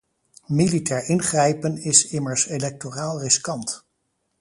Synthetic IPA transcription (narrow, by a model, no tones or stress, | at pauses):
militɛːɹʔɪnχrɛjpənɪsɪməɹselɛk̚toraːlˠrɪskɑnt